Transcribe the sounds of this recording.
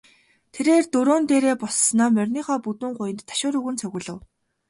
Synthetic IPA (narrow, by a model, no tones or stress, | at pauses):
t̪ʰeɾeːrt̪ɵɾoːnt̪eːɾeːpɔs̆naːmœrʲniːχɔːput̪ŭːŋɢʊjɪ̆nt̪ʰːḁʃʊːɾɵːɣɘ̆nt͡sʰœɣʲɘ̆ɮə̆w